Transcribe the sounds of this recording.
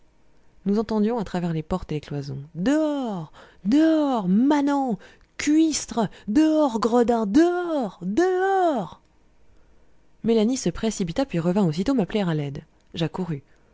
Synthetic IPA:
nuzɑ̃t̪ɑ̃d̪jɔ̃at̪χavɛʁlepɔʁt̪eleklwazɔ̰̃d̪əɔʁ | d̪øɔʁmanɑ̃ | kʲɥist̪χd̪əɔʁɡʁəd̪ãd̪əɔʁd̪əɔʁ | melanisəpχesipit̪apɥiʁəvɛ̃osit̪omaplɛʁalɛd̪ | ʒakuʁy

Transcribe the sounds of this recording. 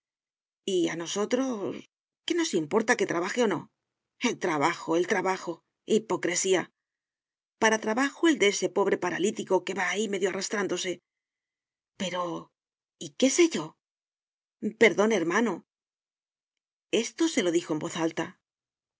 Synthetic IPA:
ia̰no̞so̞t̪ɾo̞s | ke̞no̞simpo̞ɾt̪aket̪ɾaβaxe̞o̞no̞̰ | e̞lt̪ɾaβaxo̞e̞lt̪ɾaβaxo̞ | ipo̞kɾe̞sia | paɾat̪ɾaβaxo̞e̞ld̪ee̞se̞po̞βɾe̞paɾalit̪iko̞ke̞βaːime̞ðjoarast̪ɾand̪o̞se̞ | pe̞ɾo̞ | ike̞se̞ʝo̞ | pe̞ɾðo̞neɾmano̞ | e̞st̪o̞se̞lo̞ðixo̞e̞mbo̞θalt̪a

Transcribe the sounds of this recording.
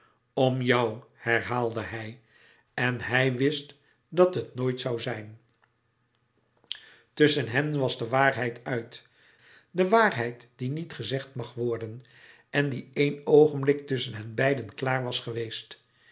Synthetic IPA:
ɔmjawhɛɹɦaːlˠdəɦɛj | ɛnɦɛjʋɪst | dɑtɦətnoːjtsɑwzɛjn | tɵsənɦɛnʋɑzdəʋaːɹɦɛjtœɥt | dəʋaːrɦɛjtd̥initχəzɛχtmɑχʋɔɹdən | ɛndiejnowχənblɪk̚tʏsənɦɛnbɛjdənklaːɹʋɑsχəʋejst

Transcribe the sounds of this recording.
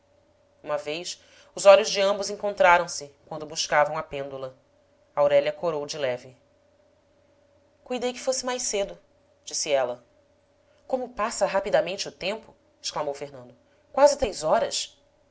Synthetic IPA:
ũmɐvejs | ʊzɔʎʊzd͡ʒɪɐ̃mbʊzẽŋkõnt̪ɾaɾɐ̃w̃sɪkwɐ̃nd̪ʊbuʃkavɐ̃w̃ɐpẽnd̪ulɐ | ɐawɾɛʎɐkoɾowd͡ʒɪlɛvɪ | kujd̪ejkɪ̥fosɪmajsed̪ʊ | d͡ʒisɪɛlɐ | kõmʊpasɐɦapid̪ɐmẽnt͡ʃɪʊt̪ẽmpʊ | ɪ̥ʃklˠamowfeɦnɐ̃nd̪ʊ | kwazɪt̪ɾejzɔɾɐ̰s

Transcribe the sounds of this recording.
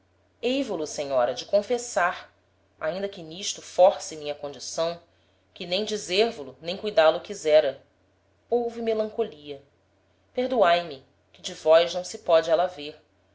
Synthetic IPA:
ejvʊlʊsẽɲɔɾɐd͡ʒɪkõfesaɾ | a̰ĩnd̪ɐkɪniʃt̪ʊfɔɾsɪmĩɲɐkõd͡ʒisɐ̃w̃ | kɪnẽj̃d͡ʒizeɾvulʊnẽj̃kujd̪alˠʊkizɛɾɐ | owvimelɐ̃ŋkoliɐ | peɦd̪uajmɪ | kɪd͡ʒɪvɔjʒnɐ̃w̃sɪpɔd͡ʒɪɛlɐveɾ

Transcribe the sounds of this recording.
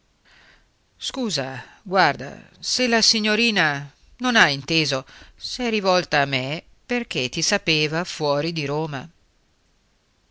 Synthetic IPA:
skuːza | ɡward̪a̰selasiɲːoɾiːna | nonaint̪eːzosɛrivɔlt̪aːmːe | perk̟et̪ːisapeːvafwɔːɾid̪iɾoːma̰

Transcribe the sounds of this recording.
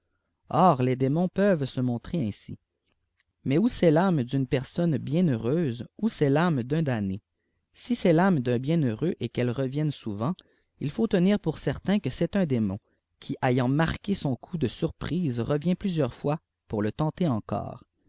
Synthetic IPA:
ɔːʁled̪emɔ̃pœvsəmɔ̃t̪χeɛ̃sḭ | mɛusɛlamd̪ynpɛʁsɔnbjɛ̃nøʁøːzusɛlamd̪œ̃d̪ane | sisɛlamd̪ɛ̃bjɛ̃nøʁøʔekɛlʁəvjɛnsuvɑ̃ | ilfot̪əniːʁpuʁsɛʁt̪ɛ̃kəsɛt̪œ̃d̪emɔ̰̃ | kʲʰiʔajɑ̃maʁkʲesɔ̃kʰud̪əsyʁpχiːzʁəvjɛ̃plyzjœʁfwa | puʁlət̪ɑ̃t̪eɑ̃kɔ̰ːʁ

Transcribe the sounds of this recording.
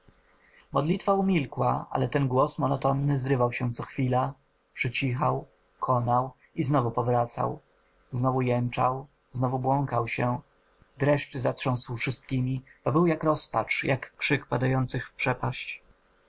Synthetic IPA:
mɔd̪lʲit̪faumʲilkwa̰a̰lɛt̪ɛnɡwɔsmɔnɔt̪ɔnːɘzɾɘvawɕɛt̪sɔxfʲila | pʂɘt͡ɕixaw | kʰɔnaw | iznɔvupɔvɾat̪sa̰w | znɔvujɛnt͡ʂaw | znɔvubwɔŋkawɕɛ | d̪ɾɛʂt͡ɕɘzatʂɔ̃w̃swfʂɘst̪kʲimʲib̥ɔbɘwjakɾɔspat͡ʂjakːʂɘkpad̪ajɔnt̪sɘxfpʂɛpaɕt͡ɕ

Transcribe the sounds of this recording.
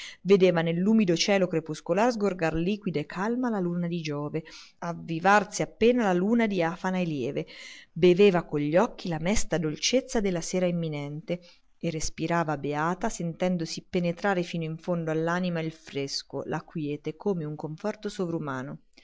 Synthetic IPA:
ved̪eːvanelːuːmid̪ot͡ʃɛːlokɾepuskolaːɾzɡorɡarliːkwid̪aekʰːalmalaluːnad̪id͡ʒɔːve | avːivarsiapːeːnalaluːnad̪iafanaeljɛːvebeveːvakoɲʎːɔkːilamɛst̪ad̪olt͡ʃet̪sːad̪elːaseːɾaimːinɛnt̪e | erːespiɾaːvabeaːt̪asent̪ɛnd̪osipenet̪ɾaːɾefiːnoiɱfond̪oalːaːnimailfɾesko̰lʔakwjɛːt̪ekoːmeuŋkoɱfɔrt̪osovɾumaːno

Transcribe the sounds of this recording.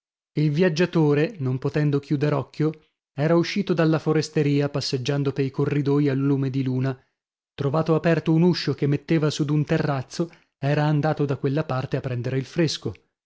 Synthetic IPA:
ilvjad͡ʒːat̪oːɾenompot̪ɛnd̪ok̟juːd̪eɾɔkːjo | ɛːɾauʃːiːt̪od̪alːafoɾest̪eɾiːapasːed͡ʒːand̪opeɾikorːid̪oːjialːuːmed̪iluːna | t̪ɾovaːt̪oapɛrt̪ounuʃːok̟emːet̪ːeːvasud̪unt̪erːat̪sːo | ɛːɾaːnd̪aːt̪od̪akːwelːapart̪eapːɾɛnd̪eɾeilfɾesko

